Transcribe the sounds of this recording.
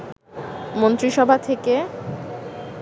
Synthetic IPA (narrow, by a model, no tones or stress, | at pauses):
mont̪ɾiʃɔbʱat̪ʰeke